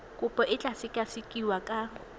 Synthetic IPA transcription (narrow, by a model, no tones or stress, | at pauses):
kʼʊpʼɔʔɪt͡ɬʼasɪkʼasikʼiwakʼa